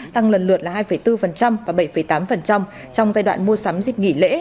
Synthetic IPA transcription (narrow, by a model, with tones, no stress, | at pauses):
t̪a˧ŋlə˨˩nlɨ˨˩ət̚laː˨˩haː˧jfə˧˩jt̪ɨ˧fə˨˩nt͡ɕa˧mvaː˨˩ɓə˧˩jfə˧˩jt̪aː˨˦mfə˨˩nt͡ɕa˧wŋ͡m | t͡ɕɔ˧wŋ͡mzaː˧jɗwa̰ː˧˨nmu˧əsaː˨˦mzi˨˩k̚ŋḭ˧˩lḛ˧˥